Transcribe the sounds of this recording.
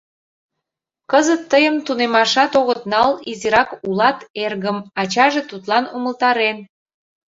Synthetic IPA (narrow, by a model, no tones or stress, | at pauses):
kəzət̪ːəjəmt̪unemɑʃɑt̪oɣət̪nɑliziɾɑkulɑt̪erɣəmɑt͡ɕɑʒet̪ut̪lɑnuməlt̪ɑɾen